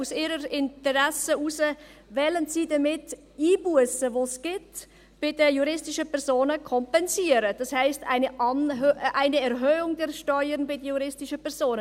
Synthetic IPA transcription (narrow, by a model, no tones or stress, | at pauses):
usiːɾəɾɪntəʁɛsəusəvɛːlənziːdɐmɪt | iːbuəsəvoːsɡ̥ɪt | b̥ɪdəjuɾɪstɪʃəpʰɛɾzoːnəkʰɔmpɛnziːəɾəd̥ɑshaɪsta̰ɪnəʔɑnøʔaɪnəɛɾɦøːʊŋdɛɾʃtɔʏəɾnbɪdəjuɾɪstɪʃəpʰɛʁz̥oːnə